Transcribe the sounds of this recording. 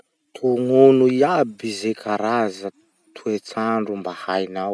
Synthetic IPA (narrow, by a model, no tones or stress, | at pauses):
t̪ʰuŋonuiabizekʰaɾazə | t̪ʰuet͡saɳɖ͡ʐumbahajnaw